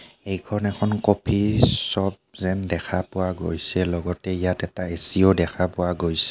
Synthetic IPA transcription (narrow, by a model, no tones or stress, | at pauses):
ejkʰɔnɛkʰɔnkopʰisɔb̚zɛndɛkʰapʊwaɡojsɛlɔɡɔtɛijatɛtaesiodɛkʰapʊwaɡojsɛ̥